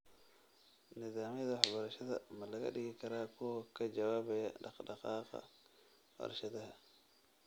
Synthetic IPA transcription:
nɪðaːmɪjɐðaħabɐɾɐʃɐðɐ̰mɐlɐɣɐ̰ɗɪɡɪkʰɐɾaːkʰɔːkɐd͡ʒɐwaːbɛjɐɗɑ̰qɗɑqɑːqɑ̰ | bɐ̰ɾʃɐd̪ɐhɐ

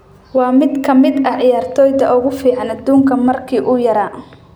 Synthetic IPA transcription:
wɑːmɪd̪kʰɐmɪd̪ɐʕjaːrt̪ʰɔːjðɐʔʊɣʊfiːʕɑnɐd̪uːŋkʰɐmɐrkʰiːʔʊjɐɾaː

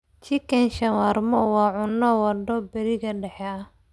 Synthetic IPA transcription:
t͡ʃikɛnʃɐwɐrmɔwɑːʕʊnːɔwɐdɔbɛɾɪɣɐɖɛħɛɐ

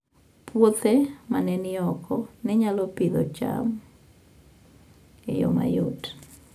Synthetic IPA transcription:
pwot̪ɛmanɛnɪɔkʰɔnɛɲalɔpɪd̪ɔt͡ʃa̰m | ɛ̰jo̰ma̰jot

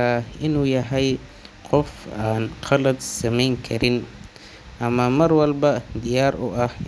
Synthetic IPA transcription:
aɪnuːjɐɦɐj | qɔfaːnqɑlɐd̪sɐmɛjŋkʰɐɾɪn | ʔɐmɐmɐɾwɐlbɐd̪ɪjaːɾʊ̰ʔɐh

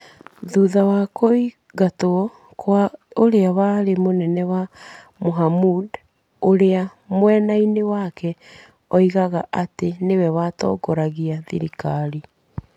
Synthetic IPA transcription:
ðuðawakoi | ɣato | kʰwaoɾeawaɾemonɛnɛwa | moɦamud | oɾea | mwɛnainewakɛ | ɔiɣaɣaʔatenewɛwatɔ̰ːɡɔɾaɣiaðḭɾikaɾi

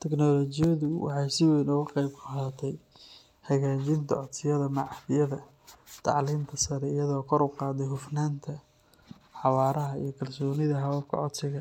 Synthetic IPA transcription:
t̪ʰɛknɔːlɔt͡ʃɪjɐðʊwɑ̰ħɑjsɪwɛjnʊɣʊqɛjbkʰʊhat̪ʰɛj | hɐɣaːt͡ʃɪnt̪ʰɐ̰ɔt̪sɪjɐðɐmɑʕhðɪjɐðɐ | t̪ʰɑ̰ʕliːmt̪ʰɐsɐɾɛijɐðɔːkʰɔɾʊqɑːd̪ɛjhʊfnaːnt̪ʰɐ | ħɑβɑːɾɐɦɐḭjɞkʰɐlsɔːnɪðɐɦɐwɐlkʰɐ̰ʕɔt̪sɪɣɐ

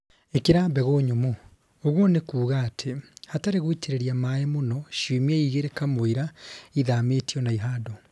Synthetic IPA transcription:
ekiɾaːmbɛɣoɲomo | oɣwonekuːɣaːtʰehataɾeɣwiteɾeɾjamajemonɔʃiːmieiɣeɾekamoiɾaiðametiɔnaiɦaːdo

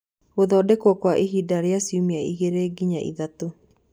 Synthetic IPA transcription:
oðɔːdɛkwɔkwaʔiɦidaɾeasiumiaiɣeɾeːɡiɲaʔḭðato

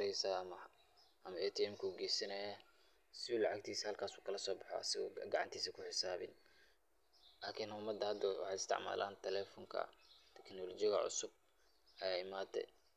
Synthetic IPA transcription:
ɛjsɐmɐ | ɐmɐɛt̪ʰiɛmkʰuːɡɛjsɐnɐja | sɪuːlɑʕak̚t̪ʰiːsɐhɐlkʰaːsuːkʰɐlɐsɔːbɑħɔ̰ɐ̰sɪɣɔːɡɐʕɑ̰nt̪ʰiːsɐkʰʊħɪsaːβɪ̰n | laːkʰɪnʊmɐd̪ɐhɐd̪ɐwɑ̰ħɑːɪst̪ʰɪ̰ʕma̰ːla̰ːnt̪ʰɛlɛːfɔŋkʰɐ̰t̪ʰɛknɔlɔt͡ʃɪɣɐ̰ʕʊ̰sʊb̚ | ʔɐjaːɪmaːd̪ɛ̰

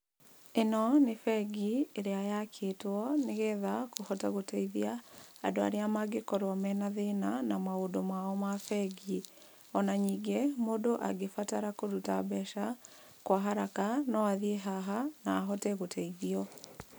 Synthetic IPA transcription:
enɔnefɛɡieɾeajakʰetwɔneɣɛðakohɔtaɣotɛiðja̰ːdoa̰ɾeamaɡekɔɾwɔmɛnaðenanamwaodomwaɔmafɛɡi | ɔnaɲiːɡemodoʔaɡefataɾakoɾuta̰bɛʃa | kwaɦaɾakanɔaðieɦaɦanaːɦɔtɛɣotʰɛiðiɔ

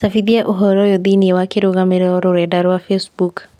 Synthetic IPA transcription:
safiðiaʔoɦɔɾɔjɔðiniɛwakeɾoɣameɾɛɔɾoɾɛdaɾwafesbuk

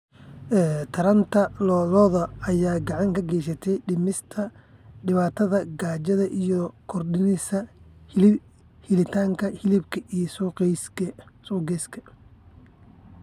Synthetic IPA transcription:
ʔɛːt̪ʰɐɾɐnt̪ʰɐlɔːlɔːðɐɐjaːɡɑʕɑŋkʰɐɡɛjs̬ɐt̪ʰɛjɖɪmɪst̪ʰɐɖɪβaːt̪ʰɐðɐɡaːt͡ʃɐðɐʔijɔkʰɔrɗɪnɪsɐhl | hɪlɪt̪ʰaːŋkʰɐhɪlɪbkʰɐʔijsuːqɛjskʰɐsuːɡɛːskʰɐ̥

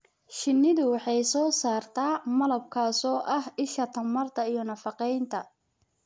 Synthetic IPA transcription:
ʃɪnːɪðʊwɑħɑjsɔːsaːrt̪ʰaːmɐlɐb̚kʰaːsɔːʔɐhɪʃɐt̪ʰɐmɐrt̪ʰɐijɔnɐfɑqɛjnt̪ʰɐ

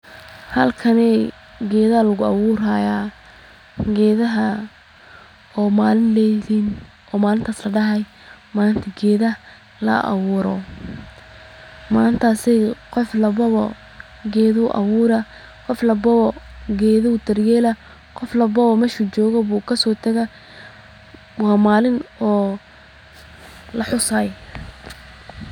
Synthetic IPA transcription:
hɐ̰lkʰɐnɛː | ɡɛːðɐɐlɐɣʊɑwʊːɾaːja | ɡɛːðɐɦɐ | ɔːmaːlɪnlɛliːn | ɔːmaːlɪnt̪ʰaːslɐɖɐɦɐj | maːnt̪ʰɐɡɛːðɐ | lɐ̰ʔɑ̰wʊːɾɔ | maːnt̪ʰaːsɛqɔflɐβɐβɔ | ɡɛːðʊʔɐ̰wʊːɾɐ | qɔflɐbɐβɔɡɛːðɐʊt̪ʰɐrjɛːlɐ | qɔflɐbɐβɔmɛːʃʊt͡ʃɔːɣɔβuːkʰɐsɔːt̪ʰɐɣɐ | wɑːmaːlɪnɔː | lɐħʊsaj

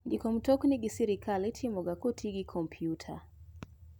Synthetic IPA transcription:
ndikɔm̩tɔkniɡisiɾikʰalɛtʰimɔɡakotʰiɡikʰɔmpʰjutʰa̰

